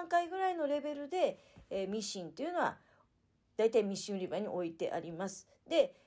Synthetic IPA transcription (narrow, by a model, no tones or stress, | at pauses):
ãŋkaiɡɯ̟ɾaino̞ɾe̞be̞ɾɯ̟d̪e̞ | mʲiɕĩnt̪o̞iɯ̟noβa̰ | d̪̥ait̪aimʲiɕĩnɾʲibaɲ̟ḭʔo̞it̪e̞̰ʔa̰ɾʲimasɨ̥ | d̪̥e̞